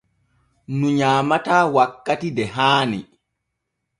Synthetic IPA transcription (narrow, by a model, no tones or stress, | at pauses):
nuɲaːmataːwakːatidɛɦaːnḭ